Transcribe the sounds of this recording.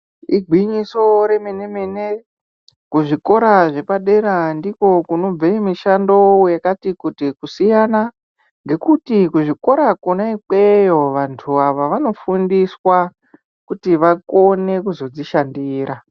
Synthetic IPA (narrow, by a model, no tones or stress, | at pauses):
iɡʱwiɲiso̞ɾe̞menemene | kuʐiko̞ɾaʐe̞paɗe̞ɾandiko̞kuno̞b͡vemiʃando̞jakatikutikusijana | ŋɡe̞kutikuʐiko̞ɾakonaik͡pejoʋantʰuaʋaʋano̞fundiswa | kutiʋako̞ne̞kuzo̞d͡ziʃandiːɾa